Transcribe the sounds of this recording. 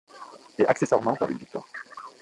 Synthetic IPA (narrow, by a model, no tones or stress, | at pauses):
eʔaksesaʁmɑ̃pã̰ʁḭnvikt̪wa̰ʁ